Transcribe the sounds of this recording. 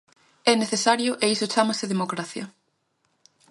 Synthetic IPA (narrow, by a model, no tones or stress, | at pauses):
ɛneθesaɾjʊʔeisʊt͡ʃamɐsɪðemokɾaθjɐ